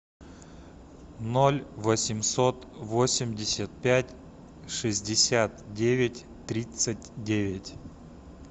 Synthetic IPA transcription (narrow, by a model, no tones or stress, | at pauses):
nolʲvəsʲɪmsot̪vosʲɪmʲdʲɪsʲət̪̚pʲætʲ | ʂɨzʲdʲɪsʲat̪dʲevʲɪtʲ | t̪ɾʲit̪sɨtʲdʲevʲɪtʲ